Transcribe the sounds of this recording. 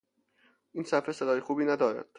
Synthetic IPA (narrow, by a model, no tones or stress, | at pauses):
ʔiːnsæfesed̪ɒːjexuːbiːnæd̪ɒːɾæ̰d̪̥